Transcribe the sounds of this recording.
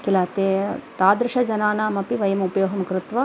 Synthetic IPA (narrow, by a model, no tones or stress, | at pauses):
kilaːt̪eːt̪aːd̪ɾɪʃɐd͡ʒɐnaːnaːmɐpiʋɐjɐmɐupɐjoːɦɐmɐkɾɪt̪ʋɐ